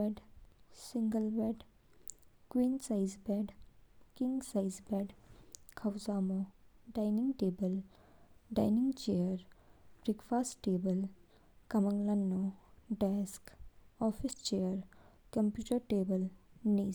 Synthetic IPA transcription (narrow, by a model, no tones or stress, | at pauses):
eɖsɪ̃ŋɡəlbɛɖ | kwiːnsaɪzbɛːɖkɪ̃ŋɡsaɪzbɛːɖkʰɐwzaːmoɖaɪnɪ̃ŋɡʈeːbəl | ɖa̰ɪnɪ̃ŋɡt͡ʃejəɾb̥ɾikfaːsʈʈeːbəl | kɐməŋlɐnːoɖɛːskɔːfʰɪst͡ʃeəɾkɐmpjuːʈəɾʈeːbəlniː